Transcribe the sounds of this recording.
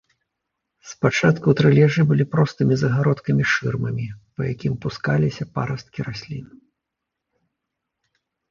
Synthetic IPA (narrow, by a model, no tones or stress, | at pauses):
spat͡ʂat̪kut̪ɾɨlʲɛʐɨbɨlʲipɾɔst̪ɨmʲizɐɣaɾɔt̪kɐmʲiʂɨrmɐmʲipɐjakʲimpuskalʲisʲɐpa̰ɾɐst̪̚kʲiɾasʲlʲin